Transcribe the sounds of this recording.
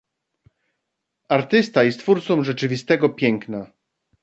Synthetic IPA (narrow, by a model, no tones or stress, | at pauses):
aɾt̪ɘst̪ajɛst̪fuɾt̪sɔ̃w̃ʐɛt͡ʂɘvʲist̪ɛɡɔpʲjɛŋkna